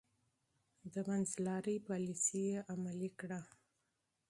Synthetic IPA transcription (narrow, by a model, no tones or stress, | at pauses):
d̪əbanzlɑɾəjpɑlisijeʔamalikɽa